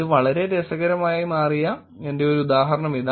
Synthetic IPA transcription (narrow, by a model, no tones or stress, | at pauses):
ðɨʋɐɭɐɾe̞d̪esɐɣɐɾɐmaːjimaːrija | ende̞o̞ɾuud̪aːɦɐɾɐɳɐmiða